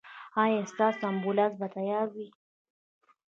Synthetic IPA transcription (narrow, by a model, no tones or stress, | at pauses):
ãjest̪ɑsambulasbat̪ajɑːɾwi